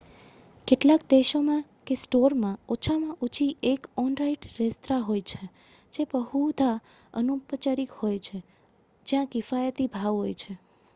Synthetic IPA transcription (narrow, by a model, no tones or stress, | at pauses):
keʈlakd̪eʃomãkesʈoɾmãot͡ʃʰamãʔut͡ʃʰiʔekɔnɾaiʈɾest̪ɾaɦojt͡ʃʰe | d͡ʒebəɦud̪ʱa | ə̰nupət͡ʃaɾikhojt͡ʃʰe | d͡ʒjãkɪfajət̪ibʱaʋɦojt͡ʃʰe